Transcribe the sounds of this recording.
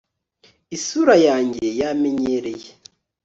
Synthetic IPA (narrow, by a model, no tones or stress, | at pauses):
isuɾajaːɲɟejameɲeɾeje